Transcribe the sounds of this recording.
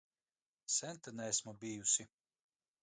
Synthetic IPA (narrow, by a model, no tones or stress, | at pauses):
sʲɛnt̪anɛɛsmubiːjusʲi